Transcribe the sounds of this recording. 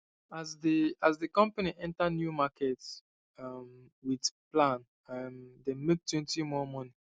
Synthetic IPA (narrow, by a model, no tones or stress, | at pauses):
azdiazdəkɔ̃mpaniʔɛ̃ntanjumakʰɛts | ʌm | widplãn | amdemek̚tʰwɛ̃ntimɔmɔni